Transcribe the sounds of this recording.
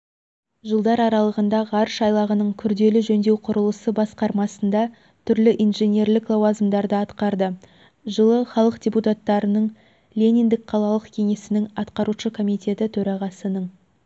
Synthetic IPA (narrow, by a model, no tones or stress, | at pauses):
ʒəlˠd̪ɑɾɑɾɑlˠəʁənd̪ɑʁɑɾəʃɑjlˠɑʁənəɴkʲʰʏɾd̪e̞lɪʒɵnd̪e̞wqʰʊɾəlˠəsəbɑsqɑɾmɑsənd̪ɑ | t̪ʰʏɾlɪʔijnʒe̞nʲe̞ɾlɪklˠowazmd̪ɑɾd̪əɑt̪qɑɾd̪ə | ʒəlˠəχɑlˠəqdʲe̞put̪at̪ːɑɾənəɴ | lʲe̞nʲind̪ɪk̚qʰɑlˠɑlˠəqkʲʰe̞ŋe̞sɪnɪŋɑt̪qɑɾuʃəkʰo̞mijt̪ʲe̞t̪ɪt̪ʰɵɾɑʁɑsənəɴ